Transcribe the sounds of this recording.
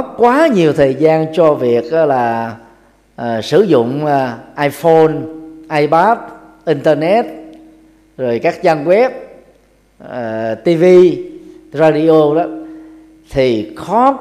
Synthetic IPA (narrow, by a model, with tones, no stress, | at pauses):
t̚kwaː˨˦ɲi˨˩əwt̪ʰəː˨˩jzaː˧nt͡ɕɔ˧vi˨˩ək̚ʔa˨˦laː˨˩ | ʔəː˨˩sɨ˧˩zʊ̰˧˨ŋ͡məː˨˩ʔaː˧jfo˧nʔaː˧jɓaː˦˥p̚ | ʔi˧nt̪əː˧nɛ˦˥t̚ | zo˨˩jkaː˦˥k̚t͡ɕa˧nwɛ˦˥p̚ | əː˨˩t̪i˧vi˧ | zaː˧ɗi˧ʔo˧ɗɔ˨˦ | t̪ʰi˨˩xɔ˨˦